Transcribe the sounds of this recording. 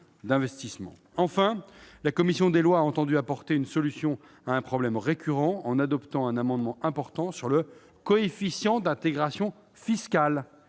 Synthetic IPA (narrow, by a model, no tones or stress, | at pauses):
d̪ɛ̃vɛst̪ismɑ̰̃ | ɑ̃fɛ̃lakɔmisjɔ̃d̪elwaːɑ̃t̪ɑ̃d̪yapɔʁt̪eynsɔlysjɔ̃ | aɛ̃pχɔblɛmʁekʲʰyʁɑ̃ːnad̪ɔpt̪ɑ̃ɛ̃namɑ̃d̪mɑ̃ʔɛ̃pɔʁt̪ɑ̃syʁlə | kɔefisjɑ̃d̪ɛ̃t̪eɡʁasjɔ̃ | fiskal